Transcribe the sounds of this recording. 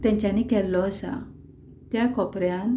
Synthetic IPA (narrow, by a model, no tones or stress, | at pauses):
t̪jãɲt͡ɕanikɛlːɔəsa̰ | t̪jakɔpɾjan